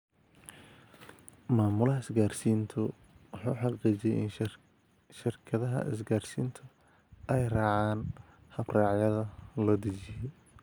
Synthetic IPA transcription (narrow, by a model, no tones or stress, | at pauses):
maːmʊlɐɦɐɪsɡaːrsiːnt̪ʰɔ | wħuːħɑqiːt͡ʃɛjʔɪn | ʃɪrkʰɐðɐɦɐ̰ʔɪ̰s̬ɡaːrsḭːnt̪ʰʊ | ʔɛjrɑːʕaːn | hɐbrɑːʕjɐðɐlɐd̪ɐt͡ʃɪjɔ